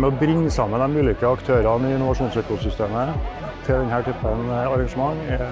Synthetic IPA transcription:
mɛɔbɾɪŋːəsɑmːənd̪ɛnmʉːlɪkəɑkt̪ʰøːɾɑnɪɪnːʊʋɑʂuːnsøːkʊsʏst̪eːmə | t̪ʰɪld̪ɛnhæːʈʰyːpənɑɾɑŋʂəmɑŋː

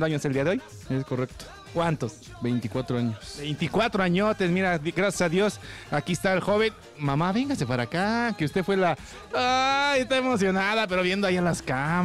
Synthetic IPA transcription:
d̪oaɲoseld̪iaðeo̞j | esko̞rek̚t̪o̥ | kwant̪os | be̞jnt̪ikwat̪ɾoaɲosbejnt̪ikwat̪ɾoaɲot̪esmiɾaɡɾasjasaðjo̞sakiest̪aelxo̞βe̞n | mamaβe̞ŋɡase̞paɾakakeust̪efwe̞la | ajest̪aemo̞sjonaðape̞ɾoβje̞nd̪oaialaska

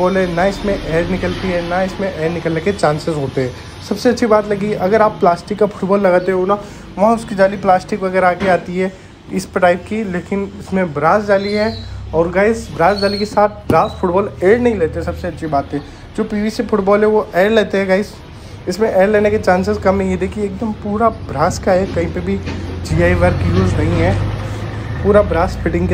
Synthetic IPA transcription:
ʊʈbɔːlɦɛnɐɪsmẽʔɛːɾnɪkəlt̪iɦɛ̃nɐɪsmẽʔɛːɾnɪkəlneket͡ʃãːnsɪzɦoːt̪eɦɛ̃ː | sɐbseɐtːʃʰibaːt̪lɐɡiʔɐɡəɾaːpːlaːsʈɪkːafʰʊ̥ʈbɔːlːɐɡaːt̪eɦɛɦona | ʋɐɦãʊskid͡ʒaːliplaːsʈɪkʋɐɡɛɾaːkeaːt̪iɦɛ | ɪspəʈaːɪp̚kileːkɪnɪsmẽbɾaːsd͡ʒaːliɦɛ̃ɔːɾɡaːɪsbɾaːsd͡ʒaːlikesaːt̪̚ʰbɾaːsfʰʊʈbɔːleːɾnɐɦĩleːt̪eɦɛ̃sɐbseɐtːʃʰibaːt̪ɦɛ̃ | d͡ʒoːpiːʋisefʰʊʈbɔːlɦɛ̃ʋoʔeːɾleːt̪eɦɛ̃ɡaːɪs | ɪsmẽʔeːɾleːneket͡ʃãːnsɪskɐmːẽed̪ekʰieeːk̚d̪əmpuːɾabɾaːskaɦɛkɐɦĩpebʱid͡ʒiːaːiʋaɾkijuːd͡ʒnɐɦiɦɛː | puːɾabɾaːsfʰɪʈɪ̃ŋɡke

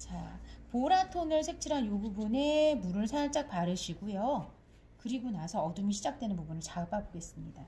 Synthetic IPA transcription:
t͡ɕa̰poɾatʰonɯɭsʰe̞k̚t͡ɕʰiɾanjoɡubune̞muɾɯnsʰaŋɭt͡ɕ͈ak̚paɾɯɕʰiɡujo | kɯɾiɡunasʰʌʌdumiɕʰid͡ʑak̚twe̞nɯnpubunɯɭt͡ɕap͈aboɡe̞s͈ɯmɲida

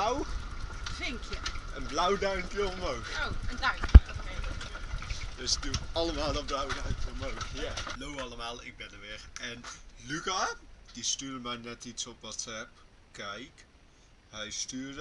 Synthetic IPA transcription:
w | vɪŋkjəənblawdaɥmpjəəmowxoəndampəoke | døs̚dutɑləmaːlˠəblawədaɥmpjəmowxjalowɑlˠəmaːlˠɪ̰ɡ̚bɛnəʋɪrɛnlykad̥istyːrdəmɛjnɛtitsɔpʋɔtɛp̚ | kɛjk | hɛjstyːd

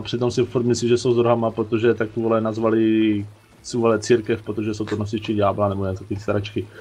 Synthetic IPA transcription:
pr̥ɪt̪omsɪfuɾt̪mɪsliːʒɛsowzd̪ɾoɦamapɾot̪oʒɛt̪akuvɔlɛnazvalɪ | suvolɛt͡siːɾkɛfpɾot̪oʒɛsowt̪onos̬ɪt͡ʃɪɟaːblanɛbojɛnsot̪ist̪aɾat͡ʃkɪ

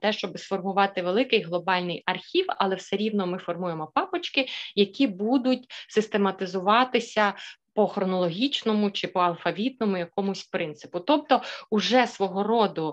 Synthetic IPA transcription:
t̪ɛʃt͡ʃɔbɪsfɔrmʊʋɑt̪ɪʋelˠɪkɪjɦlˠɔbɑlʲnɪjɐrxʲiwɐ̰lˠɛwsɛɾʲiwnɔmɪfɔrmujemɔpɑpɔt͡ʃkɪjɐkʲibud̪ʊt̚ʲsɪst̪emɐt̪ɪzʊʋɑt̪ɪsʲɐpɔxɾɔnɔlˠɔɦʲit͡ʃnɔmʊt͡ʃɪpɔɐlˠfɐʋʲit̪̚nɔmʊjɐkɔmʊsʲpɾɪnt̪sɪ̥pʊt̪ɔp̚t̪ɔʊʒɛsʋɔɦɔɾɔd̪ʊ

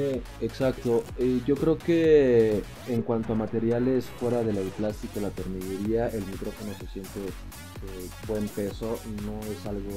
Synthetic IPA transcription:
e | eksak̚t̪o̞eʝo̞kɾe̞oke̞ː | ŋkwant̪o̞amat̪e̞ɾjale̞sfwe̞ɾaðe̞lewplast̪ikolat̪e̞ɾmiʝeɾiaʔe̞lmikɾo̞fo̞no̞se̞sje̞nt̪e̞ | ebwe̞mpe̞so̞no̞e̞salɣo

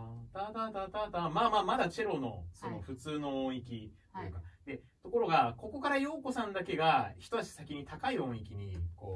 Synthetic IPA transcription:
t̪at̪aːt̪at̪aːt̪aːmaːmaːmad̪at͡ɕiɾo̞no̞̰so̞no̞ɸɯ̟t͡sɨːno̞õɰ̃ikʲit̪ojɯ̟kad̪e̞ | t̪o̞ko̞ɾo̞ɡako̞ko̞kaɾajo̞ːko̞sãnd̪ake̞ɡaçi̥t̪o̞t̪at͡ɕi̥sakʲiɲ̟it̪akaiõ̞ɰ̃ikʲiɲ̟iko̞ː

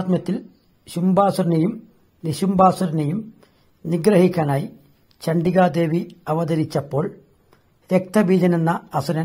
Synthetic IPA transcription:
t̪mɐt̪ːil | ɕumbaːsuɾnɐjum | niɕumbaːsuɾnɐjum | niɡɾɐɦikʲːaːnaːji | t͡ɕɐɳɖiɣaːd̪e̞ːʋiɐʋɐd̪ɐɾit͡ɕːɐpːo̞ːɭ | ɾek̚t̪ɐʋiːd͡ʑɐnenːɐːsuɾɐn

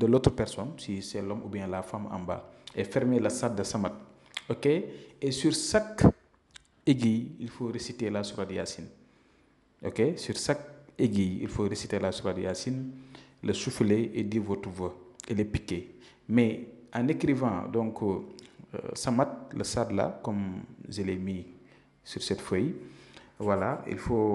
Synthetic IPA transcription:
dəloːtɾəpɛɾsɔnsisɛlɔmṵbiɛ̃lafama̰mba̰ɛfɛɾmelɐsat̚dɐsɐmat̚ | okeesyɾsak | eɡijilfoɾesitelasuɾadja̰sin | ʔo̰kesyɾsak̚eɡijḭlfoɾesitelasuɾadja̰sinlɐsufleʔediɾvotuvoelepikːe | mɛanekɾivã̰dɔ̃ŋkə | samat̚lɐ̰sadla̰kɔmzelemi | syɾsɛtfoj | walaḭlfo

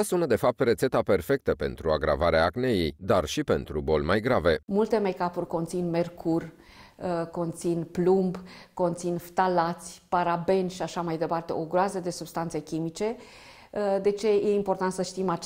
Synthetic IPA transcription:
asunəd̪e̞fap̚t̪re̞t̪se̞t̪ape̞rfe̞k̚t̪əpe̞̰nt̪ɾuaɡɾʔa̰vaɾeaːknejejd̪arʃipe̞nt̪ɾubo̞lmajɡɾave̞mult̪e̞mekapurʲko̞nt̪sinme̞rkʰurʲ | ko̞nt̪sinplumbko̞nt̪sinft̪alat̪sʲpaɾabe̞nʲʃiaʃamajd̪e̞part̪e̞̰oɡɾoazəd̪e̞sub̥st̪ant̪se̞kʲimit͡ʃe̞ | d̪e̞t͡ʃe̞je̞impo̞rt̪ant̪səʃt̪ima

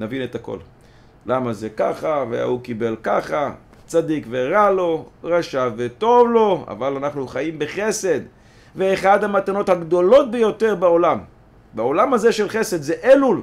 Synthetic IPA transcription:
navinet̪ako̰l | lamazekaχavḛa̰hukibe̞lkaχa | t͡sad̪ikve̞ʁalo̞ʁaʃavːet̪o̞vlo̞a̰valanaχnuχaimbeχe̞se̞d̪ | veːχadhamat̪ano̞t̪haɡd̪o̞lo̞t̚bejo̞t̪e̞ʁbao̞lam | bao̞lamhazeʃelχe̞se̞d̪zeʔelul

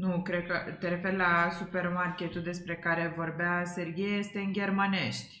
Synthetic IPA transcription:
nukɾe̞d̪̚kət̪eɾe̞fe̞rlasupe̞rmarkʲe̞t̪uld̪e̞spɾe̞kaɾe̞vo̞rbease̞rɡʲijejest̪e̞ɨnɡʲe̞rmane̞ʃt̪ʲ

